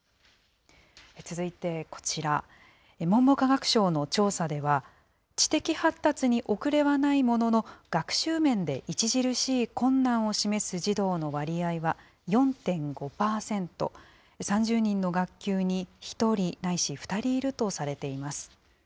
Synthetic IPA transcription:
et͡sɨzɨit̪e̞ko̥t͡ɕiɾa | emõ̞mbo̞kaɡakɯ̟̥ɕo̞ːno̞t͡ɕo̞ːsad̪e̞β̞a | t͡ɕi̥t̪e̞kʲihat̪ːat͡sɨɲ̟iʔo̞kɯ̟ɾe̞βanaimo̞no̞no̞ɡ̥akɯ̟̥ɕɨːmẽ̞nd̪e̞ʔit͡ɕiʑiɾɯ̟ɕiːkõ̞nːãɰ̃o̞ɕime̞sɨʑid̪o̞ːno̞βaɾʲiaiβa | jõ̞nt̪ẽ̞ŋɡo̞paːsẽ̞nt̪o̞̰ | sãɲ̟d͡ʑɨːɲ̟ĩnːo̞ɡakʲːɨːɲ̟içi̥t̪o̞ɾʲinaiɕiɸɯ̥t̪aɾʲiːɾɯ̟t̪o̞saɾe̞t̪e̞imasɨ̥

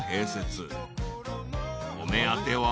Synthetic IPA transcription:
heːset͡sɨ | omeat̪ewa

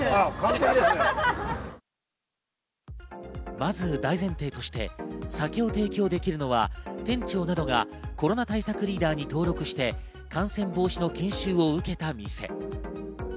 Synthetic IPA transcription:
kaa | mazɨd̪aizẽ̞nt̪e̞ːt̪o̞ɕi̥t̪e̞̰sakʲo̞ːt̪e̞ːkʲo̞ːd̪e̞kʲiɾɯ̟no̞βa̰t̪ẽ̞ɲ̟t͡ɕo̞ːnad̪o̞ɡa̰ | ko̞ɾo̞nat̪aisakɯ̟ɾʲiːd̪aːɲ̟it̪o̞ːɾo̞kɯ̟ɕi̥t̪e̞ | kãɰ̃sẽ̞mbo̞ːɕino̞kẽ̞ɰ̃ɕɨːo̞ɯ̟ke̞t̪amʲise̞̰

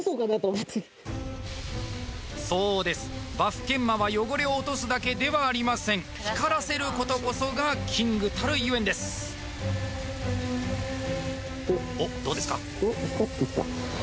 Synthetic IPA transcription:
sokanat̪omat͡sɨ | so̞ːd̪e̞sɨ̥baɸɯ̟̥k̪ẽ̞mːaβajo̞ɡo̞ɾe̞o̞ːt̪o̞sɨd̪ake̞d̪e̞βaːɾʲimasẽ̞ŋ | çi̥kaɾase̞ɾɯ̟ko̞t̪o̞ko̞so̞ɡakʲʰĩŋɡɯ̟t̪ʰaɾɯ̟iɯend̪e̞sɨ̥ | od̪̥oːd̪e̞sɨ̥ka | d̪o̥ːkat̪ːet̪a̰

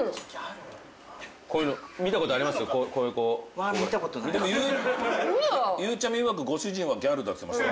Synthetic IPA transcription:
koːjɯ̟nomʲit̪ako̞t̪oaɾʲimasɨjokokoːɯkoːamit̪akot̪onid̪emojɯ | jɯːt͡ɕamʲiɯ̟βak̬ɯ̟ɡo̞ɕɨʑĩɰ̃βaɡʲaɾɯ̟d̪asemaɕt̪a

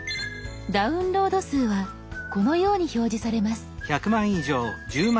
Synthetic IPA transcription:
d̪aɯ̟̃nɾo̞ːd̪o̞sɨːβa | ko̞no̞jo̞ːɲ̟iço̞ːʑisaɾe̞masɨ̥çakɯ̟mãɰ̃iʑo̞ːd͡ʑɨːm

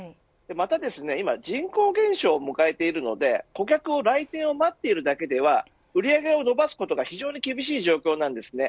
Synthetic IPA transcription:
d̪̥e̞mat̪ad̪e̞sɨne̞imad͡ʑĩŋko̞ːɡẽ̞ɰ̃ɕo̞ːmɯ̟kae̞t̪e̞iɾɯ̟no̞̰d̪e̞ko̞k̬ʲakɯ̟o̞ɾait̪ẽ̞ɰ̃o̞mat̪ːe̞iɾɯ̟d̪ake̞d̪e̞β̞a | ɯ̟ɾʲiaɡe̞o̞no̞basɨ̥ko̞t̪o̞ɡaçiʑo̞ːɲ̟ikʲibʲiɕ̬iːʑo̞ːkʲo̞ːnãnd̪e̞sɨne̞

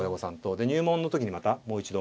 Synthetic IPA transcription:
jaɡo̞sãnt̪o̞d̪e̞ɲ̟ʲɨːmõ̞nːo̞t̪o̞kʲiɲ̟imat̪amo̞ːit͡ɕid̪o̞

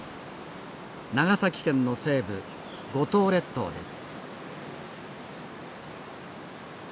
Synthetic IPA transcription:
naɡasakʲi̥kẽ̞nːo̞se̞ːbɯ̟̰ | ɡo̞t̪o̞ːɾe̞t̪ːo̞̰ːd̪e̞̰sɨ̥

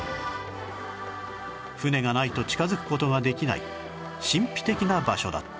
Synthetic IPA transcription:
ɸɯ̟ne̞ɡanait̪o̞t͡ɕi̥kazɨkɯ̟̥ko̞t̪o̞ɡad̪e̞kʲina̰ḭ | ɕĩmpʲi̥t̪e̞kʲinabaɕo̞̰d̪a̰t̪ː

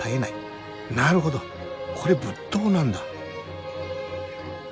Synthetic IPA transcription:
aenai | naɾɯ̟ɦo̞d̪o | kʰo̞ɾe̞bɯt̪ːoːnãnd̪a

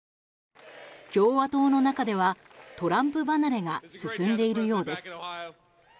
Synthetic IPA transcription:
kʲo̞ːβat̪o̞ːno̞nakad̪e̞β̞a | t̪o̞ɾãmpɯ̟banaɾe̞ŋasɨsɨ̃nd̪e̞iɾɯ̟jo̞ːd̪e̞sɨ̥

